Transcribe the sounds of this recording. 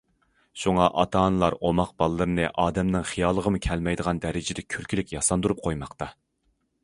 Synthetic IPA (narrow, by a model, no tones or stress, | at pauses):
ʃuŋɑʔɑt̪ʰɑːnɨlˠɑɾomɑqb̥ɑlˠɨːɨɾɨnɨʔɑːd̪ɛmnɨŋχijɑːlˠəʁəmɨkʲʰɛlmɛjd̪əʁɑnd̪ɛɾɪd͡ʒɪd̪ɛkʲʰyɾkʲʰilɪkʲjɑsɑnd̪uɾup̚qʰojmɑqt̪ɑ